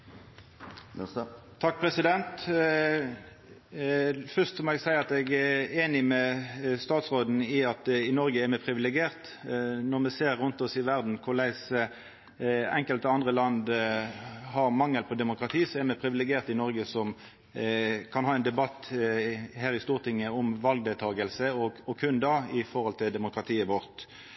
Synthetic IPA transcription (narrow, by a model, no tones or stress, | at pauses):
t̪ʰɑk̚ːpʰʁɛsɪd̪ɛnt̪ | fœʁst̪sɔmɛɡsæɪəʁɑt̪ɛɡæeːnɪmɛst̪ɑːt̪sʁoːd̪n̩ɪɑt̪ɪnɔɾɡəɛmɛpʰʁɪʋɪlɛɡɪeːʁt̪ | nɔʁmɛseːʁːʊnt̪ɔsɪʋæʁd̪n̩kʰʊlæɪsə | ɛŋkəlt̪əɑnd̪ʁəlɑnd̪ | hɑɾmɑŋːəlpʰɔd̪ɛmʊkʁɑt̪ʰiːsɔɛmɛpʰɾɪʋɪlɛɡɪeːʁt̪ɪnɔɾɡəsɔm | kʰɑnhɑːɛɪnd̪ɛbɑt̪ː | hæːɾɪst̪uːʁt̪ʰɪŋːəɔmʋɑlɡ̚d̪eːlt̪ʰɑːɡəlsəɔɔkʰʉnd̪ɑɪfɔɾhɔlt̪ʰɪld̪ɛmʊkɾɑt̪ʰiːəʋɔʁt̪